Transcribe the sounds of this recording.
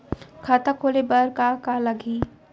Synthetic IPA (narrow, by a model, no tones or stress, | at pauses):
kʰaːt̪akʰoːlebəɾkakaləɡiː